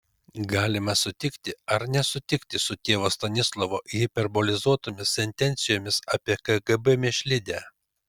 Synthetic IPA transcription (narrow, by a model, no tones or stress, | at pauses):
ɡɑːlʲɪmɐsʊt̪ʲɪkt̪ʲɪɐɾnʲɛsʊt̪ʲɪkt̪ʲɪsʊt̪ʲeːʋoːst̪ɐnʲɪslˠoʋoːʔɪpʲɛɾboːlʲɪzuɔt̪oːmʲɪsʲsʲɛnʲt̪ʲɛnʲt̪sʲɪjoːmʲɪsɑːpʲiɛkɐɡɛbɛmʲɪʃʲlʲɪd̪ʲæː